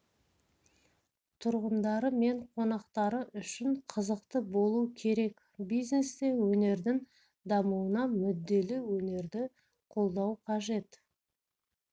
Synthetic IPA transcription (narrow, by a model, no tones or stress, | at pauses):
t̪ʰʊɾʁənd̪ɑɾəme̞ɴqʰo̞nɑqt̪ɑɾəʔʏʃɪɴqʰəzəqt̪əbo̞lˠukʲʰe̞ɾe̞k | bijzne̞st̪e̞wɵne̞ɾd̪ɪŋ | d̪ɑmuənɑmʏd̪ːe̞lɪwɵne̞ɾd̪ɪ | qʰo̞lˠd̪ɑwqʰɑʒe̞t̪